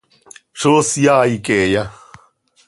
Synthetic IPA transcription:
ʂosjaːikeja

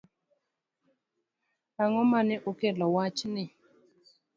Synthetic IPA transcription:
aŋɔmanɪʔokɛlɔwat͡ʃnɪ

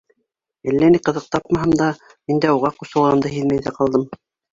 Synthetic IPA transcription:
ælːæniqɤ̆ðɤq̚t̪ɑp̚mɑɦɤmd̪ɑ | mind̪æuʁɑqusɤ̆lˠʁɑmd̪ɤɦiðmæjðæqɑlˠd̪ɤm

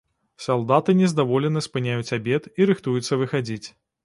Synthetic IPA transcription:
salˠd̪at̪ɨnʲɛzd̪avɔlʲɛnɐspɨnʲajut͡sʲabʲɛt̪iɾɨxt̪ujut̪sːɐvɨxad͡zʲit͡sʲ

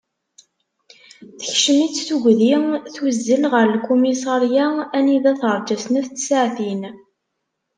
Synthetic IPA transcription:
θə̥çʃəmit͡sːθuʝʷðiθuzːəlʁəɾˤlkːumisɑɾjaæniðæθəɾˤd͡ʒæsnæθt͡sːsaʕθin

